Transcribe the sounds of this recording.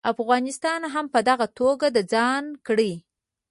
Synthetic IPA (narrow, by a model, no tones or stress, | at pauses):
afɣɑnɪst̪ɑnɦampəd̪aɣat̪oɡad̪əd͡zɑnkɽi